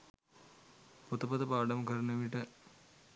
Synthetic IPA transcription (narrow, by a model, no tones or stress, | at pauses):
pot̪ɐpɐt̪ɐpaːɖɐmɡʱɐɾɐnɐʋiʈːɨ